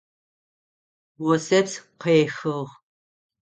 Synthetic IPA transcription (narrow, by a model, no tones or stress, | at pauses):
wɔsɐpsqeːxɨʁ